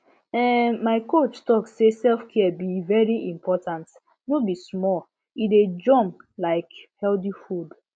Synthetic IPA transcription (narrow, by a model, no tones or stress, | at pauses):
ɛmaɪkot͡ʃtɔksesɛlfkʰiɛbivɛɹiʔĩmpɔtãnt | nobismɔ | ided͡ʒɔ̃mlaɪkhɛldifud